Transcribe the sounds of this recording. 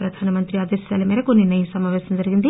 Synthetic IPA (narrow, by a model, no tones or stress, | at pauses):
pɾɐd̪ʱaːnɐmɐnt̪ɾiaːd̪ɐsjɐlɐmeːlɐkonːinɐjisɐmaːʋeːsɐmd͡ʒɐɾiɡind̪i